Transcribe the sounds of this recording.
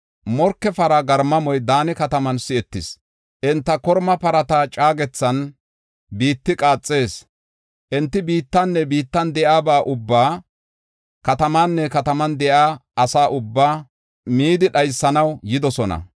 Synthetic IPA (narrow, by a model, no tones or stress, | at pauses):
mɔɾkːɛfɐɾɐɡɐɾmɐmɔjd̪aːnɪkɐt̪ɐmɐnsɪɛt̪ːɪs | ʔɛnt̪ːɐkɔɾmɐpɐɾɐt̪at͡ʃʼaːɡɛt͡sːɐn | biːt̪ːɪkʼaːt͡sʼːe̞ːs | ʔɛnt̪ːɪbiːt̪ːɐnːɛbiːt̪ːɐnd̪ɛʔaːbaːʔʊbːaː | kɐt̪ɐmanːɛkɐt̪ɐmɐnd̪ɛʔaːɐsaːʔʊbːaː | miːd̪ɪɗɐjsːɐnɐwjɪd̪ɔsɔnɐ̰